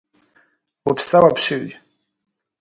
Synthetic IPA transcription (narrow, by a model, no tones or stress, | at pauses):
wapʰsawapʰʂɪɥ